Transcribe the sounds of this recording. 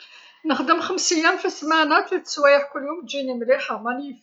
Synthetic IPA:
nəxd̪əmxəmsijæmfismænæt̪lit̪swæjəħkʊlːhʊmd͡ʒinimɾiħamænf

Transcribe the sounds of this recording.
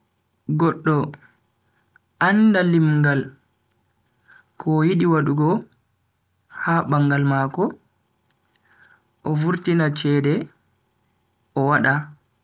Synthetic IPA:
ɡɔɗːɔ | ʔandalimɡal | kʰɔjiɗiwaɗuɡɔ | habaŋɡalmakɔ | ʔɔvuɾtinat͡ʃɛːdɛ | ʔɔwaɗa

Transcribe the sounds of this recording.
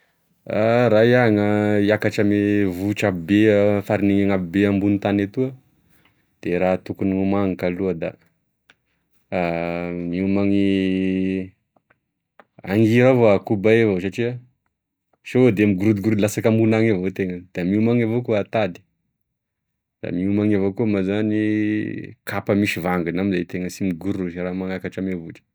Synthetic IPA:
aɾajaŋəiakaʈ͡ʂamevuʈ͡ʂabibeəfaɾiniŋaŋabibeambunit̪anat̪uə | d̪̥eɾat̪ukunimumaŋikaluəd̪a̰ | miumaŋi | a̰ŋɡiɾavoakubaevos̬aʈ͡ʂiə | ʃood̪emiɡuɾud̪uɡuɾlasakamunaŋavot̪eŋəd̪̥amiumaŋavokuat̪ad̪i̥ | d̪̥a̰miumaŋavokumazani | kapəmiʃivaŋɡunamizajt̪eŋəsimiɡuɾuʃɾamaŋakaʈ͡ʂamevuʈ͡ʂə̥

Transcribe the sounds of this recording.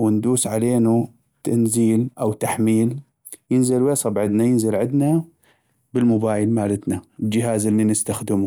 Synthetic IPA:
wɪnd̪uːsʕaleːnu | t̪ʰanziːlʔawt̪aħmiːl | jɪnzɪlwjeːsˤɑbʕɪd̪najɪnzɪlʕɪd̪na | bɪlmʊbaːjɪlmaːlɪt̪nald͡ʒɪɦaːzʔɪlːinɪst̪axd̪ɪmu

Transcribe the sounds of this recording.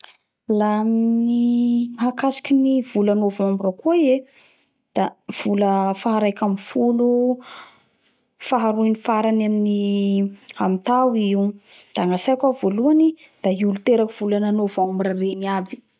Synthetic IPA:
laminiɦakasi̥kʲinivulanovambɾəkuae | d̪̥av̥uləfaɦaɾajkamifulu | faɦaɾuinifaɾanamini | amit̪awiud̪̥aŋasajakavoluani | d̪̥aiulut̪eɾakiv̥ulananovambɾareniabi̥

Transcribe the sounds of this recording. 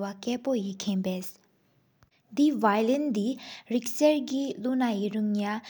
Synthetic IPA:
wakɛːpojikʰenbɛs | d̪ivajlɛnd̪iɹik̚sɛɹkilunajiɹuŋɲa

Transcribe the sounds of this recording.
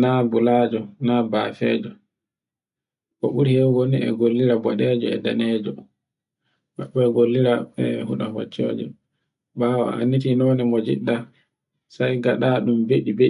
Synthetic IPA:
nabulaːd͡ʒɔnabafɛ̰ːd͡ʒɔ | kɔɓuɾhewɡoniɛ̰ɡolːiɾabɔɗɛd͡ʒɔɛ̰danɛːd͡ʒɔ | ɓaɓɔɛɡolːiɾaɛhuɗaho̰t͡ʃːo̰ːd͡ʒɛ̰ | bawa̰a̰nːit̬inɔnɛmod͡ʒḭɗːa | sajɡaɗaɗumbeɗibe

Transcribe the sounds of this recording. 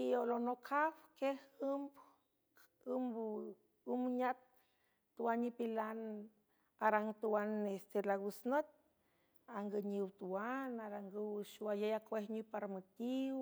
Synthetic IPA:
iolonokʰawkehɨmb | ɨmb | umbɲat̪̚ː | uwanːipilan | aɾaŋt̪uwanest̪elawusnot̪̚ | aŋɡəɲiwt̪uwanaɾaŋɡəwʃuajejakwehɲupaɾmut̪iw

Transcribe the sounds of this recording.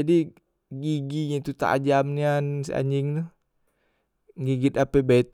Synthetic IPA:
adi | ɡiɡiɲait̪ut̪a̰a̰d͡ʒamniansia̰ɲɪŋt̪u | ɡiɡɪt̪̚apɛbat̪

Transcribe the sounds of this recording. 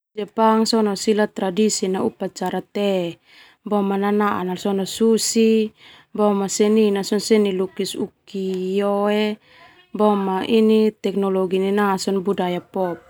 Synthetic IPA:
d͡ʒɛpaŋsɔnɔsilat̪ɾadisinaupat͡ʃaɾat̪ɛ | bɔmananaa̰nalsɔnɔsusi | bɔmasɛninasɔnsɛnilukisukijɔe | bɔmaʔinit̪ɛknɔlɔɡininasɔnbudajapɔp̚

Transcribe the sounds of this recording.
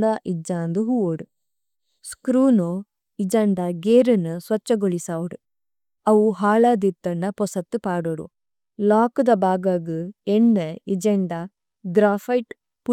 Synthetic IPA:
d̪aʔid͡ʒaːnd̪uɦuoɽu | skɾuːno | id͡ʒɐɳɖɐɡeːɾɐnːusʋɐt͡ʃːɐɡoɭisaːʋɐɽu | ɐʋuɦaːlaːd̪it̪ːɐnːɐpɔsɐt̪ːupaːɽoɾṵ | laːkud̪ɐbaːɡaɡɯenːɐid͡ʒɐɳɖa | ɖɾaːfɐjʈ | pu

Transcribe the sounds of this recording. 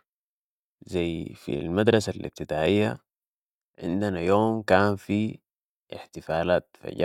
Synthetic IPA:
zajfḭlmad̪ɾˤɑsalḭb̚t̪id̪aːʕɪjːa̰ | ʕɪ̰nd̪anajoːmkaːnfi | ɪħt̪ɪfaːlaːt̪fa̰ɟ

